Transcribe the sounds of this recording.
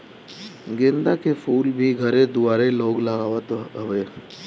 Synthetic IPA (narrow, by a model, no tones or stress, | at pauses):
ɡẽnd̪akefʰuːlbʱiɡʱɐɾẽd̪ʊaːɾeloːɡlɐɡaːʋət̪ɦɐʋeː